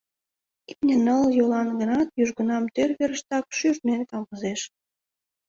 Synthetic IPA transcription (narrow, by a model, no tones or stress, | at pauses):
iknʲenəljolɑnɡə̆nɑt̪jyʒɣə̆nɑmt̪ørβeɾəʃt̪ɑk̚ʃyrt̪menkɑmɡəzeʃ